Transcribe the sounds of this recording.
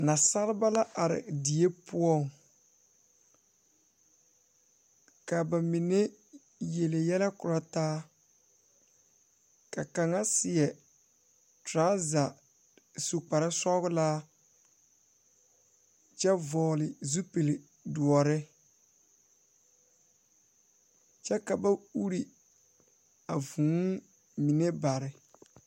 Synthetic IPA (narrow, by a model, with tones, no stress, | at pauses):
na˨sa˦ɾɪ˦ba˦la˦ʔa˨ɾɪ̰˨di˨e˦pʰʊ˦ɔ˦˨ŋ | ka˨ba˨mi˨ne˦ | je˨le˨jɛ˦lɛ˦kʊ˨ɾa˦taː˦ | ka˨ka˨ŋa˦sɪ˨ɛ˨ | tɾaː˦za˨ | su˨k͡pa˨ɾɪ˦sɔ˦ɣʊ˦laː˦ | t͡ʃɛ˦vɔː˨lɪ˨zu˦pe˨le˨ | du˨ɔ˨ɾɪ˦ | t͡ʃɛ˦ka˨ba˦u˦ɾi˨ | a˨vũ˨˦ŋ˦ | mi˨ne˦ba˨ɾɪ˨